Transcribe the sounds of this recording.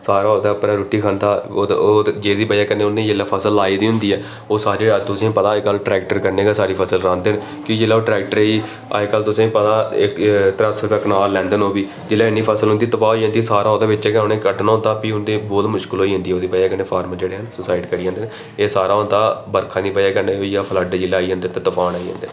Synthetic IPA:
saːɾaːoːd̪aːpɾaːɾuːʈiːkʰãːnd̪aː | d͡ʒeːɾd̪iːbəjaːkəneːʊnːẽːd͡ʒeːlːaːpʰəsəlaːiːd̪iːɦʊ̃nd̪iːɛː | oːsaːɾet̪ʊsĩpət̪aːkəlʈɾɛːk̚ʈəɾkəɾneːɡaːsaːɾiːpʰəsəlɾãːnd̪eːn | kõːkd͡ʒelaːoːʈɾɛːk̚ʈəɾiː | a̰kəlt̪ʊsĩːpət̪aːɪkt̪ɾasɾpeknaːɾlɛ̃ːnd̪eːnoːbiː | d͡ʒɪlːaːɪnːiːpʰəsəlɦʊ̃nd̪iːt̪əpʰaːoiːɦə̃nd̪iːsaːɾaːoːd̪eːʋɪt͡ʃɛːkonẽːkəɖnːɦʊ̃ːnd̪aːpiʊnd̪eːbɔːt̪mʊʃkɪlɦoːiːɦʊ̃nd̪iːɛoːd̪iːpəjaːkənːeːpʰaːɾməd͡ʒeːɽeːɦənsʊsaːɪʈkəɽiːãːnd̪eːn | eːsaːɾaːɦõːnd̪aːbəɾkʰaːnĩːpəjaːkəɾneːɦoijaːpʰələɖd͡ʒɪlːaːiɦãːnd̪eːt̪eːt̪əpʰaːnaːiɦã̰ːnd̪eːn

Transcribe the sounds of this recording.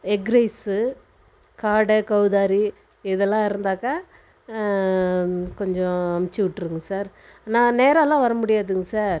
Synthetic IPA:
ɛɡɾɐɪsɯ | kaːɽɐkɐʊðaːɾi | ɪðɛlːãːɪɾɯnd̪aːka | kɔɲd͡ʒɔ̃ɐmɪt͡ʃːɯʋɪʈːɾɯŋɡɐsaːɾ | nãːneːɾɐlãːʋɐɾɐmʊɽɪjaːðɯŋɡɐsaːɾ

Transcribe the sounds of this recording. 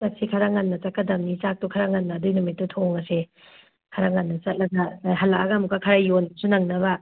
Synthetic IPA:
tɐsikʰɐɾaŋanːɐt͡ʃakːɐdɐmnit͡ʃak̚tukʰaɾaŋɐnːɐːdujnumitːutʰoŋɐse | kʰɐɾaŋanːɐt͡ʃɐt̚lɐɡɐɦɐlakaɡamukakʰɐɾajːonsunɐŋnɐβɐ

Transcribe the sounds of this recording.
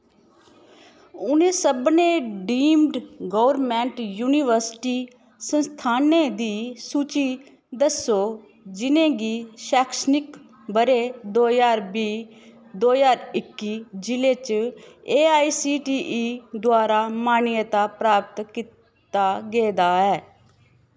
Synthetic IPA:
ʊnẽːsəbneːɖiːmɖɡoːʋəɾmɛ̃ːɳʈjuːniʋəɾsʈiː | sə̃nst̪ʰaːned̪iːsuːt͡ʃi | d̪əsoː | d͡ʒɪnẽːɡiːʃaːkʰʃnɪk | bəɾeːd̪oːjaːɾbiː | d̪oːjaːɾɪkːiːd͡ʒɪleːt͡ʃeːaːiːsiːʈiːʔiːd̪ʊaːɾaːmaːnɪjət̪aːpɾaːp̚t̪kiːt̪ | aːɡeːd̪aːɛː

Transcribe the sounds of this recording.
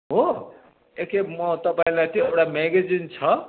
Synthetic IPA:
ɦo | ekemʌt̪ʌpãĩlajt̪oewʈameɡed͡zint͡sʰʌ

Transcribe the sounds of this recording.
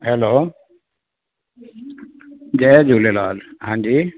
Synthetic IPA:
ɦeloː | d͡ʑɛːd͡ʑuːlelaːlhãːɲd͡ʑiː

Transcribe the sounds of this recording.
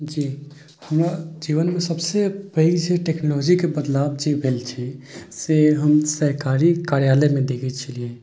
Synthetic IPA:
d͡ʒiː | həmɾad͡ʒiːʋənmẽsəbsepəid͡ʒeʈeːknolɔːd͡ʒikebəd̪laːb̚d͡ʒebʱeːlt͡ʃʰɛseɦəmsəɾkaːɾikaːɾjaːlemẽd̪eːkʰɛt͡ʃʰəlie

